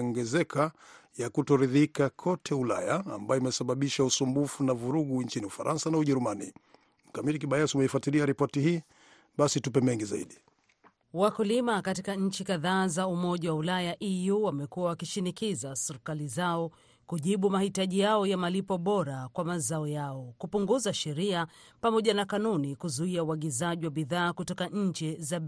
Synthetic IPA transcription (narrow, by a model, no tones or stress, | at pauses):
ɔŋɡɛzɛkʰajakutɔɾiðikakʰɔtʰɛula̰ja̰ːmbajɔimɛsaɓaɓiʃausumbufunavuɾuɠuɲt͡ʃiniufaɾʔansanauʄɛɾumanḭ | m̩kamiɾik̬iɓajasiumɛifwatiliaɾipɔtihiː | ɓasitupɛmɛŋɡizaḭɗi | wakulimakatikaɲ̩t͡ʃikaðaːzaumɔʄawaulajaʔijuwamɛkuwawakiʃinikizasɛɾikalizaɔ | kuʄiɓumahitaʄijaɔjamalipɔɓɔɾakwamazaɔjaɔkupuŋɡuzaʃɛɾiapamɔʄanakanunikuzuiauaɠizaʄiwaɓiðaːkutɔkaɲ̩t͡ʃiza